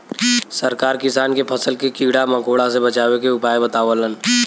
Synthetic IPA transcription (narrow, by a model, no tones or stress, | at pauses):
səɾkaːɾkɪsaːnkepʰɐsəlkekiːɽamə̃koːɽasebɐt͡ʃaːwekeʊpaːjebət̪aːʋələn